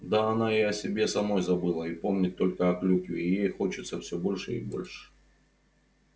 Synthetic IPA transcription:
d̪aːnaiɐsʲɪbʲe̞sɐmo̞jzɐbɨlˠəipo̞mnʲɪt̪ːo̞lʲkəɐklʲukʲɪijejxo̞t͡ɕɪt̪səfsʲɵbo̞lʲʂɨ̰ḭbo̞̰lʲʂɨ̥

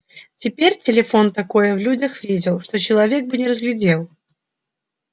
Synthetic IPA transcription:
t͡sʲɪpʲerʲt͡sʲɪlʲɪfont̪akojəvlʲud͡zʲɐxvʲid͡zʲɪlˠʂt̪ɔt͡ɕɪlˠavʲɛɡ̚bɨnʲɪrəzɣlʲɪd͡zʲelˠ

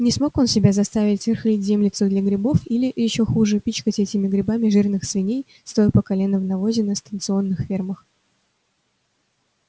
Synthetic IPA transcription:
nʲɪsmo̞ko̞nsʲɪbʲazɐst̪avʲɪtʲvʲɪrxlʲitʲzʲemlʲɪt̪sʊd̪lʲɐɡɾʲɪbo̞filʲɪjɪɕːo̞xuʐɨpʲit͡ɕkətʲɛtʲɪmʲɪɡɾʲɪbamʲɪʐɨrnɨxsvʲɪnʲej | st̪ojpəkɐlʲe̞nəvnɐvo̞zʲɪnəst̪ənt̪sɨo̞nːɨxfʲerməx

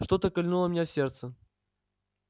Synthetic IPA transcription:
ʂt̪ot̪əkɐlʲnulˠəmʲnʲafsʲert̪sə

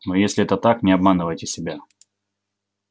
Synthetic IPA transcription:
nojesʲlʲɪɛt̪ət̪aknʲɪɐbmanɨvəjtʲɪsʲɪbʲa

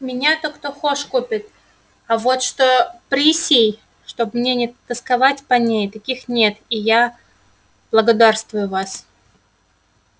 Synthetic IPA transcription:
mʲɪnʲat̪okt̪oxoʂkupʲɪt̪̚ | ɐvo̞t̪ʂt̪opɾʲisʲij | ʂt̪o̞bmnʲenʲɪt̪ːəskɐvatʲpɐnʲejt̪ɐkʲixnʲe̞t̪ija | b̥lˠəɡɐd̪arst̪vʊjʊvas

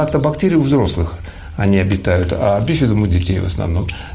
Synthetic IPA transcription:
at̪əbɐktʲeɾʲɪjʊvzɾo̞slˠɨx | ɐnʲiɐbʲɪt̪ajʊt̪a̰bʲesʲvʲɪd̪umɨdʲɪtʲejvə̰snɐ̰vno̞m

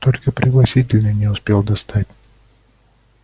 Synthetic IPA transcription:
t̪o̞lʲkəpɾʲɪɡlˠɐsʲit̬ʲɪlʲnənʲɪʊspʲe̞lˠd̪ɐst̪at̚ʲ

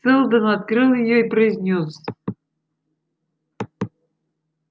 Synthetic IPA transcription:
sɨlˠd̪ənat̪̚kɾɨlˠjɪjoipɾəɪzʲnʲos

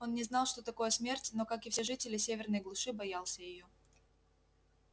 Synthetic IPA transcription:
o̞nnʲɪznɑlˠʂt̪o̞t̪ɐko̞jəsmʲertʲno̞kakɪfsʲeʐɨtʲɪlʲɪsʲevʲɪrnəjɡlˠʊʂɨbɐjalˠsʲəjɪjo

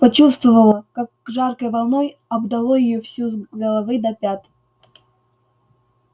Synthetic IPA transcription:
pɐt͡ɕust̪vəvəlˠəkakːʐarkəjvɐlˠnɔj | ɐbd̪ɐlˠojɪjofsʲuɡəlˠɐvɨd̪ɐpʲat̪

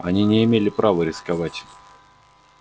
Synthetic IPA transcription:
ɐ̰nʲinʲɪɪmʲelʲɪpɾʔavəɾʲɪskɐvatʲ

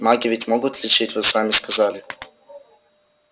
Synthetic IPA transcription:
maɡʲɪvʲɪtʲmoɡʊt̪lʲɪt͡ʃɪtʲvɨsamʲɪskazalʲɪ

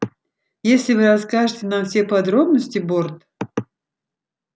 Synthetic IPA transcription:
jesʲlʲɪvɨɾɐskaʐɨtʲɪnamfsʲepɐd̪ɾobnəsʲtʲɪbort̪

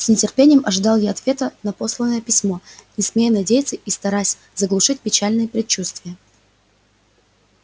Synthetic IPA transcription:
snʲɪtʲɪrpʲenʲɪjəmʔɐʐɨd̪ɑlˠjaɐt̪vʲe̞t̪ənɐpo̞slˠənːəjəpʲɪsʲmo̞nʲɪsmʲejənɐdʲejɪt̪səʔist̪ɐɾasʲ | zəɡlˠʊʂɨt̚ʲpʲɪt͡ɕalʲnɨjəpɾʲɪt͡ɕːust̪vʲɪjə

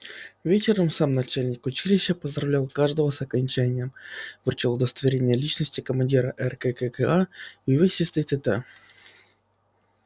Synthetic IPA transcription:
vʲet͡ɕɪɾəmsamnɐt͡ɕælʲnʲɪkʊt͡ɕilʲɪɕːəpəzd̪ɾɐvlʲalˠkaʐd̪əvəsɐkɐnʲt͡ɕænʲɪjəmvɨrt͡ɕɪlˠʊd̪əst̪əvʲɪɾʲenʲɪjəlʲit͡ɕnəsʲtʲɪkəmɐnʲdʲiɾəʔɛrkɛkəkəajɪvɨxsʲɪsʲt̪ɨt̪ɨt̪ə

